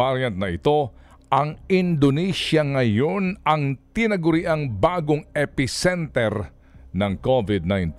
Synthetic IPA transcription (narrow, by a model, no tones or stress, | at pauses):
aɾjɐnt̪̚nɐʔɪt̪o̞ | ʔɐŋɪnd̪onisjɐŋɐjo̞nɐŋt̪ɪnɐɡʊɾɪʔaŋbaːɡoŋɛpɪsɛnt̪ɛɾ | nɐŋkovɪd̪̚najnt̪